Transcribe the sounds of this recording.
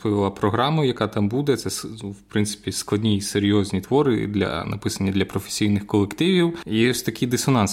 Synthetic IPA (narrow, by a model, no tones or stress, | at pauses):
pɔʋʲɪlˠɐpɾɔɦɾɑmɐjɐkɑt̪ɑmbud̪ɛt̪sɛswpɾɪnsɪ̥pʲisklˠɐdʲnʲiiseɾʲjɔzʲnʲit̪ʋɔɾɪ̰d̪lʲɐ̰nɐ̰pɪsɐnʲːɐd̪lʲɐpɾɔfe̥sʲijnɪxkɔlˠekt̪ɪʋʲiwjɛɔsʲt̪ɐkʲijd̪ɪsɔnɑns